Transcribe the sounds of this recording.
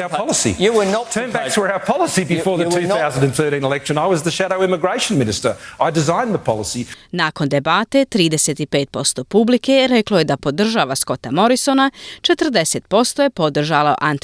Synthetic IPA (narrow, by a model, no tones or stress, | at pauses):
aʊə˞pɑlˠəsḭntʰɜ̃˞nbætʰəaʊə˞pʰɑlˠəsibɨfɔɹðətʰʉθaʊzə̃ndɨ̃nθɜ˞ɾĩnəlɛkʃɨ̃naɪwʌzðɨʃæɾoʊɪmɨɡɹeɪʃɨ̃n̩mɪ̃nɨstə˞aɪdɨzãɪ̃nðəpʰɑ̰lˠəsinaːko̞nd̪e̞bat̪e̞t̪ɾiːd̪eset̪ipe̞ːt̪̚po̞st̪o̞publike̞ɾe̞klo̞je̞d̪apo̞d̪r̩ʒaʋasko̞t̪amo̞ɾiso̞nat͡ʃe̞t̪r̩d̪e̞set̪̚po̞st̪o̞je̞po̞d̪r̩ʒalo̰ʔant̪